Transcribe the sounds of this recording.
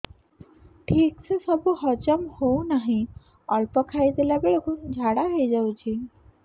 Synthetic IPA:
ʈʰiːksəsɔbuɦɔt͡ɕəmhownaɦĩ | ɔɭpəkʰajd̪eljabeɭkud͡ʑʱaɽaɦejd͡ʑawt͡ɕʰi

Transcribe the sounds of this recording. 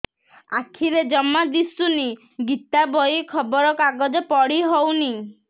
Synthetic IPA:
akʰiɾed͡ʒɔmːad̪isuni | ɡit̪abɔjikʰɔbɔɾɔkaɡɔd͡ʒɔpɔɽiɦowni

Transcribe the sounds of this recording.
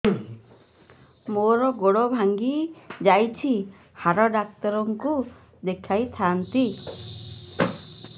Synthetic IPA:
moɾɔɡoɽɔbʱaŋɡid͡ʒajt͡ʃʰi | haɾɔɖak̚t̪ɔɾɔŋku | d̪ekʰajt̪ʰant̪i

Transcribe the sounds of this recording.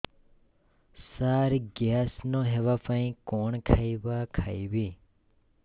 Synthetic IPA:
saːɾɡjaːsnoɦeʋapə̃ĩkoːɳkʰaiʋakʰajʋiː

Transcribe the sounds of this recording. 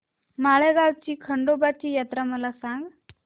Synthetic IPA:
maɭeɡawt͡ɕiːkʰəɳɖobat͡ɕiːjat̪ɾaməlasaŋɡ

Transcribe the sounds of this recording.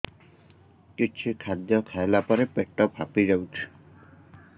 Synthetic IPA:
kit͡ʃʰikʰad̪jɔkʰajlapɔɾepeʈːɔpa̰pizawtʰ

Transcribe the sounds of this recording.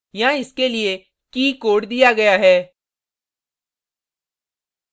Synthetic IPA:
jɐɦãɪskelie | kiːkoːɽd̪ijaɡɐjaɦɛː

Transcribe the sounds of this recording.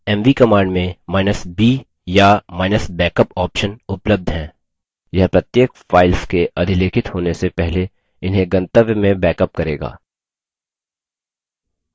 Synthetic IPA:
ɛːmʋikɐmãːɳɖmẽmaːɪnəsbiː | jamaːɪnəsbɛːkəpɔːpʃənʊpləb̚d̪ʱɦɛ̃ː | jɐɦpɾɐt̪jeːkfaːɪlskeʔɐd̪ʱɪleːkʰɪt̪ɦoːnesepɛɦle | ɪnɦẽɡɐ̃nt̪əʋjəmẽbɛːkəp̚kɐɾeːɡa̰ː

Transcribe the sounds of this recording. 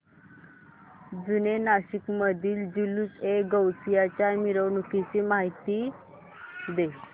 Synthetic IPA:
d͡zunenaɕikməd̪ʱiːld͡ʑuluseɡəwt͡sijat͡ɕjamiɾəwnukit͡ɕimaɦit̪i | d̪e

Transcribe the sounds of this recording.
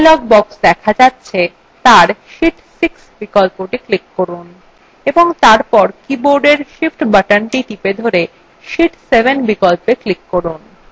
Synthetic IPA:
lɔɡ̚bɔksd̪ɛkʰad͡ʑatːɕʰe | t̪aɾʃiʈsiksbikolpoʈiklikːoɾun | eboŋt̪aɾpɔɾkiboɾɖeɾʃifʈbaʈanʈiʈiped̪ʱoɾe | ʃiʈsebenbikolpeklikːoɾun

